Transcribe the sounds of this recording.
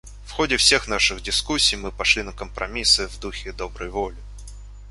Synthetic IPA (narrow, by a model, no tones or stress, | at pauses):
fxodʲɪfsʲe̞xn̪aʂɨɣdʲɪskusʲːijmɨpɐʂlʲinəkəmpɾʔɐmʲisɨvd̪uxʲɪd̪o̞bɾəjvolʲɪ